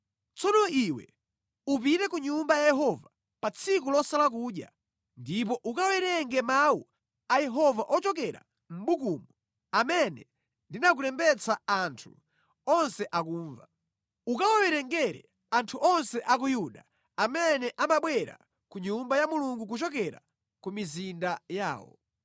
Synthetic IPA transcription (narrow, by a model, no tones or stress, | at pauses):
t͡sɔnɔiwɛ̰ | up̬itɛkuɲumbajajɛɦɔva | pat͡sʰikulɔsalak̬uːɗja̰ | ndip̬ɔʔukawɛɾɛŋɡɛmawṵ | ajɛɦɔvaʔɔt͡ʃɔk̬ɛɾa̰ | m̩ɓukumu | amɛnɛ | ndinak̬uɾɛmbɛt͡sʰaantʰu | ɔnsɛʔakuːɱva | ukawɔwɛɾɛŋɡɛɾɛ̰ | antʰuʔɔnsɛʔak̬ujuɗa | amɛnɛʔamaɓwɛɾa̰ | kuɲumbajamuluŋɡuk̬ut͡ʃɔk̬ɛɾa̰ | kumizindaja̰ːwɔ̰